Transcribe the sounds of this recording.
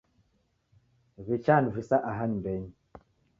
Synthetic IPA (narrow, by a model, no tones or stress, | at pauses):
βit͡ʃanvisaʔaɦaɲmbɛɲ